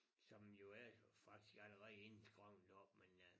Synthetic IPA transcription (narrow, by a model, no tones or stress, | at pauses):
sɒ̽mjo̝æfɑ̈ɡ̥̚d̥isɡ̥æləʁɛðˠensɡ̥ʁɑʊ̰nd̥ɒ̥men